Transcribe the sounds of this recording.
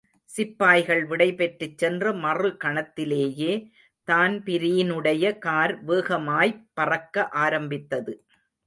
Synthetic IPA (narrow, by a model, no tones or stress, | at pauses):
sɪpːaːjɣɐɭʋɪɽɐɪpɛʈrɪt͡ʃːɛndrɐmɐrɯkɐɳɐt̪ːɪleːjeː | t̪aːnpɪɾɪjɪnɯɽɐjɐkaːɾʋeːɣɐmaːjpːɐrɐkːɐʔaːɾɐmbɪt̪ːɐðɯ